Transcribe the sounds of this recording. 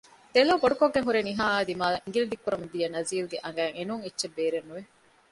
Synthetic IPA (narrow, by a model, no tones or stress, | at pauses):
t̪eloːboɖukoɡːeŋɦuɾeniɦaːaːd̪imaːiŋɡiliɖikːuɾɐmɐd̪ijɐnɐziːlɡeʔɐŋ̆ɡæːŋenuŋetːʃebːeːɾenːuʋe